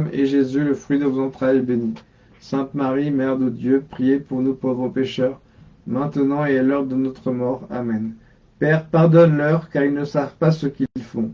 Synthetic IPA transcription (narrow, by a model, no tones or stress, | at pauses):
mḛʒezyləfχɥid̪əvozɑ̃t̪χajɛbeni | sɛ̃t̪maʁimɛʁd̪əd̪jøpχijepuʁnupovʁəpeʃœʁ | mɛ̃t̪ənɑ̃eɛlœʁd̪ənɔt̪χəmɔʁa̰mɛn | pɛʁpaʁd̪ɔnlœʁkaʁilnəsavpasəkʲilfɔ̃